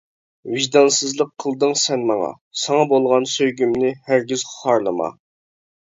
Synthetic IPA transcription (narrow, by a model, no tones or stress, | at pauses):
viʒd̪ɑnsɨzlˠəqʰːəlˠd̪ɨŋsɛnmɑŋɑ̰ | sɑŋɑbolˠʁɑnsøjɡʲymnɪhæɾɡʲiz̥χʊ̥χɑɾlˠəmɑ̰